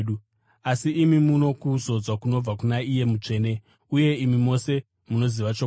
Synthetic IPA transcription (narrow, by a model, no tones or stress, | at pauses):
ɗu | asiːmimuno̞kuzo̞d͡zwakuno̞b͡vakunaije̞mut͡ʂe̞ːne̞ | uje̞imimo̞se̞ | muno̞ziʋat͡ʃo